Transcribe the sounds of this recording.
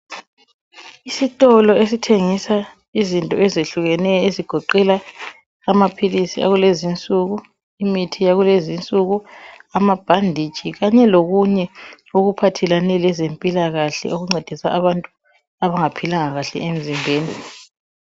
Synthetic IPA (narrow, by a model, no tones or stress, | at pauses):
isitʼɔlɔes̬itʰeŋisa | izintʼɔɛzeɬuɣɛnɛjɔeziɡ̥ʱɔǃɛlaː | mapʰilisḭa̰ɣulezint͡sʼuɣu | imitʰijaɣulezint͡sʼuɣuamab̥ʱandʱit͡ʃʼiɣaɲɛloɣuɲɛ | oɣupʰatʰɛlanɛlɛzempʼilaɣaɬɛ̰oɣuŋ͡ǀed̥ʱisaaβantʼu | aβaŋapʰilaŋaɣaɬɛ̰ʔem̩zimbʱeːni